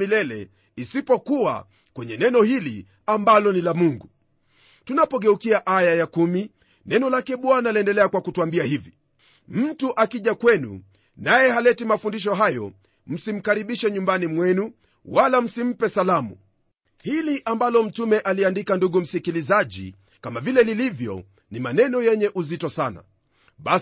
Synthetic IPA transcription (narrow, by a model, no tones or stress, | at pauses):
ilɛlɛ̰ | isipɔkuwa̰ | kwɛɲɛnɛnɔhilḭ | ambalɔnilamuŋɡu | tunapɔɠɛukiaʔajajakumi | nɛnɔlakɛɓwanaliɛndɛlɛakwakutuambiahivi | m̩tuʔakiʄakwɛnṵ | najɛɦalɛtimafundiʃ̬ɔɦajɔ̰ | m̩sim̩kaɾiɓiʃɛɲumbanimwɛnu | walam̩sim̩pɛsalamṵ | hiliʔambalɔm̩tumɛʔaliandikanduɠum̩sikilizaʄḭ | kamavilɛlilivjɔ̰ | nimanɛnɔjɛɲɛʔuzitɔsana̰ | ɓa